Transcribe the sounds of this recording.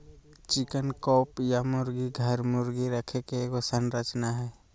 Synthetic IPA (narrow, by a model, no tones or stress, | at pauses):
t͡ʃɪkənkɔːpjamʊɾɡiɡʱəɾmʊɾɡiɾəkʰekekosənɾət͡ʃnaɦɛː